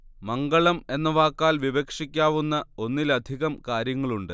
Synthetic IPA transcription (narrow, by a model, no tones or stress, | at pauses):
mɐŋɡɐɭɐme̞nːɐʋaːkːaːlʋiʋɐkʂikʲːaːʋunːɐo̞nːilɐd̪ʱiɣɐmkaːɾjɐŋːɐɭuɳɖɨ